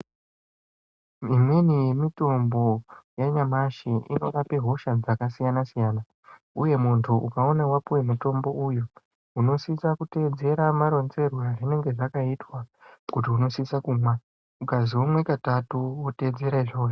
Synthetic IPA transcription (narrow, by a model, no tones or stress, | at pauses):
imwenijemito̞mbo̞jaɲamaʃiʔḭno̞rape̞ɦo̞ʃad͡zakasijanasijaːna | uje̞muntʰuʔukao̞nawapuwe̞muto̞mbo̞ʔujo | uno̞sisakute̞ːd͡ze̞ɾamaɾo̞nze̞rwaʐine̞ŋɡe̞ʐakaitwakut̬iuno̞sisakumwa | ukaziwomwe̞katatuwote̞ːd͡ze̞ɾaiʐoː